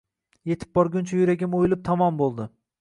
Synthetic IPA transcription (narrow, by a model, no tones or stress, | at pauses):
je̞t̪ʰɪ̥p̚bɒɾɡʲʊnt͡ʃʰajʊɾaɡʲɪmojɪlˠɪp̚t̪ʰɒmɒmbolˠd̪ɪ